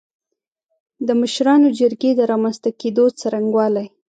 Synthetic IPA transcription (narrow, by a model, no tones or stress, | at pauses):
d̪əməʃɾɑnod͡ʒəɾɡed̪əɾɑmanst̪aked̪ot͡saɾaŋɡwɑlaj